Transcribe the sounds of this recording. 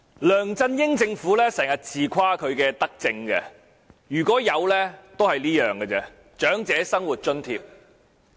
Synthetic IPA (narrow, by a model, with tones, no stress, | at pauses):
lœː˨˩ŋt͡sɐ˧njɪ˥ŋt͡sɪ˧ŋfuː˨˥lɛː˥sɛː˨˩ŋjɐ˨t̚t͡sʰiː˨kʷʰwaː˥kʰɵ˨˧ɥkɛː˧t̪ɐ˥k̚t͡sɪ˧ŋɡɛ̰˧ | jyː˨˩kʷɔː˨˥jɐ˨˧wlɛː˥t̪o˥whɐ˨jliː˥jœː˨ŋɡɛ˧t͡sɛ˧ | t͡ʃœː˨˥ŋt͡sɛː˨˥sɐ˥ŋwuː˨t̚t͡ʃɵ˥nt̪ʰḭː˧p̚